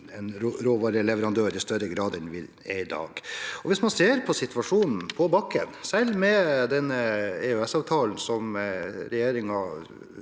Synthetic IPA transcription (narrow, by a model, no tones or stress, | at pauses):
ɛnɾɾoːʋɑːɾəlɛʋəɾɑnd̪øːɾɪst̪œɾəɡɾɑːd̪ɛnʋɪ | ɛɪd̪ɑ̰ːɡɔʋɪsmɑnseːɾpʰɔsɪt̪ʋɑʂuːnn̩pʰɔbɑkːənsɛlmɛd̪ɛnːəɛøɛsɑːʋt̪ʰɑːln̩sɔmɾɛjeːɾɪŋɑ